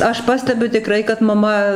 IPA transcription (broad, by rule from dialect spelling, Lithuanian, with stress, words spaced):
ˈɐʃ ˈpɑːsʲtʲɛbʲʊ tʲɪˈkrɐɪ kɐt mɐˈmɐ